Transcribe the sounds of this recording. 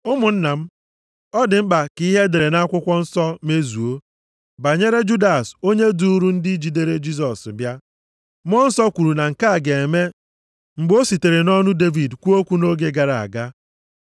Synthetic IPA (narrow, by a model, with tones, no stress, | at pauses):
ʊ˦mʊ˨n̩˦na˨m̩˦ | ɔ˦dɪ˨m̩˦k͡pa˨ki˦ɦe˦de˨ɾe˨na˦kʷʊ˦kʷɔ˦n̩˦sɔ˦me˦zu˨o˦ | ba˨ɲe˦ɾe˦d͡ʒu˦da˨so˦ɲe˦du˦ɾu˦n̩˦dɪ˦d͡ʒi˨de˦ɾe˦d͡ʒi˦s̬ɔ˨sbja˦ | m˦ɔ˦n̩˦sɔ˦kʷu˨ɾu˨na˨ŋ̩˨ka˦a˨ɡe˨me˦ | ŋ͡m̩˨ɡ͡bo˦si˨te˨ɾe˨nɔ˦nʊ˦de˦vi˨dkʷu˦o˦kʷu˦no˦ɡe˦ɡa˨ɾa˨a̰˨ɡa˦